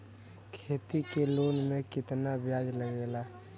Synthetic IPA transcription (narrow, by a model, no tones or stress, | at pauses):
kʰeːt̪ikeloːnmẽkɪt̪nabjaːd͡ʒləɡeːla